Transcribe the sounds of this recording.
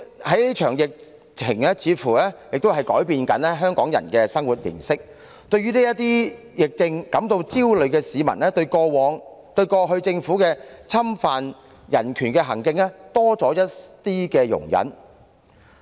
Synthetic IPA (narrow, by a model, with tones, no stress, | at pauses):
hɐ˨˥jli˥t͡ʃʰœː˨˩ŋjɪ˨k̚ | t͡sʰɪ˨˩ŋɛ˥t͡sʰiː˨˥fuː˨˩lɛː˥jɪ˨k̚t̪o˥wɦɐ˨jkɔː˨˥jpiː˧nkɐ˨˥nɛ˥ɦœː˥ŋkɔː˨˥ŋjɐ̰˨˩nkɛː˧sɐ˥ŋwu˨t̚lḭː˨˩nsɪ˥k̚ | t̪ɵ˧ɥyː˥niː˥jɐ˥t̪iː˥ | jɪ˨k̚t͡sɪ˧ŋkɐ˨˥mt̪o˧wt͡siː˥wlɵ˨˧ɥkɛː˧siː˨˧mɐ̰˨˩nɛː˥t̪ɵ˧ɥkɔː˧wɔː˨˥ŋt̪ɵ˧ɥkɔː˧ɦɵ˧ɥt͡sɪ˧ŋfuː˨˥kɛː˧t͡sʰɐ˥mfaː˨n | jɐ̰˨˩nkʰyː˨˩nkɛː˧ɦɐ˨˩ŋkɪ˧ŋɛ˥t̪ɔː˥t͡sɔː˨˥jɐ˥t̚t̪iː˥kɛː˧jʊ̰˨˩ŋjɐ̰˨˥n